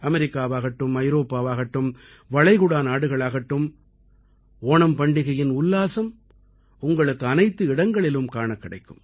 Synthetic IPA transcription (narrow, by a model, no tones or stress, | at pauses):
ɐmɛɾɪkːaːʋaːɣɐʈːɯmɐɪɾoːpːaːʋaːɣɐʈːɯm | ʋɐɭɐɪɣʊɽaːnaːɽɯɣɐɭaːɣɐʈːɯm | oːɳɐmpɐɳɖɪɣɐjɪnʊlːaːsɐm | ʊŋɡɐɭɯkːɯɐnɐɪt̪ːɯɪɽɐŋɡɐɭɪlɯmkaːɳɐkːɪɽɐɪkːɯm